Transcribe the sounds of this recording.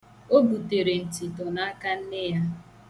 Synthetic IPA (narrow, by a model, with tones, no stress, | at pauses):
o˦bu˨te˨ɾe˨n̩˨ti˨tɔ˨na˦a˦ka˦n̩˦nɪ˦ja˦